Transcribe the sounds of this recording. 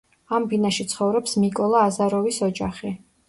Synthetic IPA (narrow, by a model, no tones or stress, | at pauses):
ambinaʃit̪sʰχɔvɾɔpsmikʼɔlˠaːzaɾɔvisɔd͡ʒaχi